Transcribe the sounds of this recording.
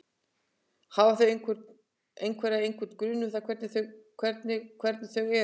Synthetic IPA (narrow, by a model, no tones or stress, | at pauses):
haːvaθœɥɾ | ejnkʰvɛɾaejŋkʰvɛɾt̪kɾʏːnuθakʰvɛɾt̪nɪθœkʰvɛɾt̪nɪkʰvɛɾt̪nɪθœɣɛ